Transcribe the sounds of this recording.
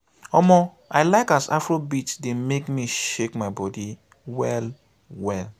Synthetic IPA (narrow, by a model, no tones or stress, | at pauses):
ɔmɔ | aɪlaɪkasa̰fɹobitdemekmiʃekmaɪbɔdi | wɛl | wɛl